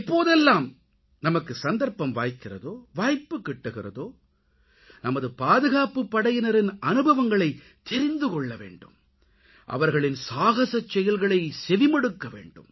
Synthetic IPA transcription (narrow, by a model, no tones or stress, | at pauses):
ɪpːoːðɛlːaːm | nɐmɐkːɯsɐnd̪ɐɾpːɐmʋa̰ːjkːɪrɐ̰ðoːʋaːjpːɯkːɪʈːɯɣɪrɐðoː | nɐmɐðɯpaːðɯɣaːpɯpːɐɽɐjɪnɐɾɪnɐnɯbʱɐʋɐŋɡɐɭɐɪ | t̪ːɛɾɪnd̪ɯkɔɭːɐʋḛːɳɖɯm | ʔɐ̰ʋɐɾɣɐɭɪnsaːɣɐsɐt͡ʃːɛjɐlɣɐɭɐɪsɛʋɪmɐɽɯkːɐʋḛːɳɖɯ̰m